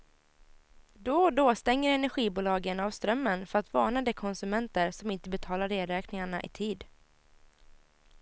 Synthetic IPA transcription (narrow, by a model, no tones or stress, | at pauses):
d̪od̪oːst̪ɛŋːəɾɛnæɾɧiːbuːlɑːɡənavst̪ɾœmːənfœɾat̪vɑːɳad̪ɛkʰɔnsɵmɛnt̪əɾsɔmɪnt̪əbɛt̪ʰɑːlaɾeːɾɛːknɪŋaɳaʔɪ̰t̪ʰiːd̪